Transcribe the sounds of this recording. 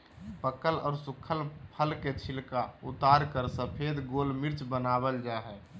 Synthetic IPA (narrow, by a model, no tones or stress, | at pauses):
pəkəlɔ̰ːɾsukʰəlpʰəlket͡ʃʰilkaut̪aːɾkəɾsəpʰed̪ɡolmiɾt͡ʃbənaːbəld͡ʒaɦɛ